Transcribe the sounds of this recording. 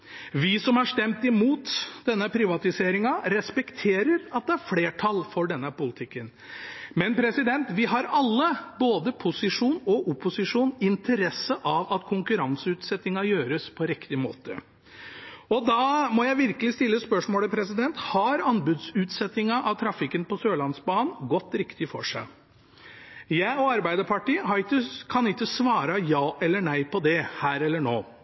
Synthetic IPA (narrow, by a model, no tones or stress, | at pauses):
ʋɪsɔmɑʂt̪ɛmt̪ɪmuːt̪d̪̥ɛnːəpʰɾɪʋɑt̪ɪseːɾɪŋɑɾɛspɛkt̪ʰeːɾəɾɑt̪̚d̪ɛæɾfleːʈʰɑlːfɔɖɛnːəpʊlɪt̪ʰɪkːən | mɛnpʰɾɛsɪd̪ɛnt̪ʋɪɦɑɾɑlːəboːd̪əpʰʊsɪʂuːnɔʔʊpʊsɪʂuːnɪnt̪ʰəɾɛsːəʔɑʋɑt̪kʰʊŋkʉɾɑŋsəʉːt̪sɛt̪ːɪŋɑjøːɾəspʰɔɾɪkt̪ɪmo̰ːt̪ə̰ | ɔd̪ɑmɔjæɪʋɪɾkəlɪst̪ɪlːəspœʂmoːləpʰɾɛsɪd̪ɛnt̪hɑɾɑnbʉd̪sʉːt̪sɛt̪ɪŋɑʔɑʋt̪ʰɾɑfɪkːənpɔsøːlɑnsbɑːnn̩ɡɔt̪ːɾɪkt̪ɪfɔʂæ̰ɪ | jæɪɔɑɾbæɪd̪əpʰɑʈiːhɑɾɪkːəkʰɑnɪkːəsʋɑːɾɑjɑːʔɛlːəɳæɪpɔd̪ɛhæːɾɛlːəɳoː